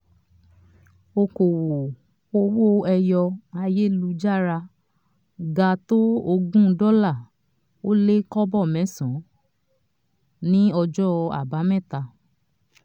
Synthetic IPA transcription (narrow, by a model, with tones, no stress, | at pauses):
o˧ko˨wo˨ | o˧wo˦ɛ˧jɔ˧a˧je˦lu˧d͡ʒa˦˨ɾa˧ | ɡa˧to˦o˧ɡũ˦dɔ˦la˦˨ | o˦le˦kɔ˦bɔ˦˨mɛ̃˨˦˨sɔ̃˨˦ | nĩ˦ɔ˧d͡ʒɔ˦˧a̰˨ba˨˦mɛ̃˦˨ta˧